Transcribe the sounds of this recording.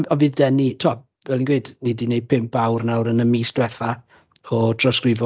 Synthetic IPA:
ɔvɨːðdɛnitʰoa | vɛlˠinɡwejdnidinejd̚pʰɪmp̚ʰawrnawɾənəmiːsd̥wɛθa | ɔtʰrɔskrɪvɔ

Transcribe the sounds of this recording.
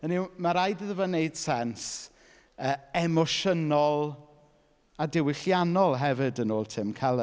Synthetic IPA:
ənimaɾajdəðəvɔneɨd̥sɛns | əːɛmɔʃənɔlˠ | adɪwɪɬjanɔlˠɦɛvɪdənoːlˠtʰɪmkʰalˠə

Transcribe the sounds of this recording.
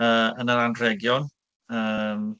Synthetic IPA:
əːənəɾanrɛɡjɔn | əːm

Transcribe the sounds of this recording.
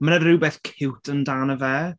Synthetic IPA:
mənərɪwbɛːθkʰɪwtʰəndanəvɛː

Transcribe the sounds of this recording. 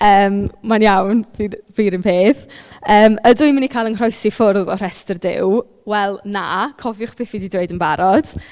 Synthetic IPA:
əːmmanjawnviviːɾənpʰeːθəːmədʊjmɪnikʰaːjlˠənr̥ɔjsifʊrðɔr̥ɛstərdɪ̰w | wɛlˠna̰kʰɔvjʊχpʰeːθididweɨdənbaɾɔd̥

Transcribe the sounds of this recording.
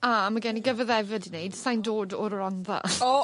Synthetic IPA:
amaɡɛniɡəvəðɛvɛdinejd̥sajndoːdɔɾɔnða̰o

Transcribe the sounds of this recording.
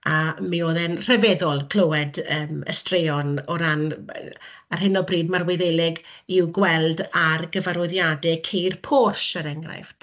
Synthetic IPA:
amioːðɛnr̥ɛvɛðɔlˠkʰl̥owɛdəːmə̰streɔnɔɾan | arɦɪnɔbriːdmarweðelɪɡ | ɪwɡwɛlˠdarɡəvaɾʊɨðjadɛkʰejrpʰɔrʃəɾɛŋɡra̰jft

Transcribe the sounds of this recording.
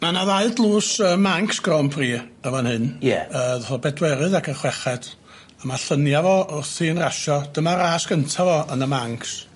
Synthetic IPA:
manaðaɨdlˠuːsəmaŋksɡ̥rɔmpʰriːəvanhɨnjɛ̰əːðɔvɔbɛdwɛɾɨðakʰərχwɛχɛd̥ | amaɬənjavɔʊrθɨːnraʃɔd̥əmaɾaːsɡ̥əntʰavɔənəmaŋks

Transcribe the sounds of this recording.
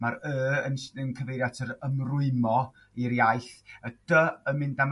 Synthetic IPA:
maɾəːənsənkʰəvejɾjatʰəɾəmrʊɨmɔ | iɾjaɨɬəd̥əəmɪndam

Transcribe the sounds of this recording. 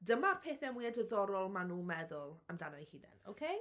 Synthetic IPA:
dəmapʰeːθɛmwiadəðɔɾɔlˠmanuːmɛðʊlˠəmdanɔjhiːdɛ̰no̰kʰej

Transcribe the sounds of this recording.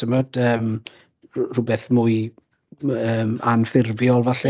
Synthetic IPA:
əmad̥əːm | rʊbɛθmuɨ | əːmanfɪrvjɔlˠvaɬɛ

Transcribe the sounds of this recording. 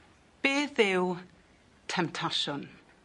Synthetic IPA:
b̥eːðɪw | tʰɛmtʰaʃɔn

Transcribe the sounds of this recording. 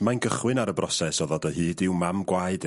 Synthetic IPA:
manɡəχwɨnaɾəbrɔsɛsɔðɔdəhɨːdɪwmamɡwajd̥

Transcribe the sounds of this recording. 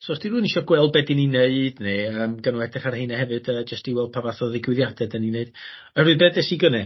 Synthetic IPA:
sɔstiruːniʃɔɡwɛl̚ˠbɛdinineɨd̥neəːmɡənwɛdɛχaɾrhɨnaɦɛvɨdəd͡ʒəstiwɛlˠd̚pʰavaθɔðɪɡwɪðjad̥ɛdənineɨd̥ | əruɨbeːdɛsiɡənɛ

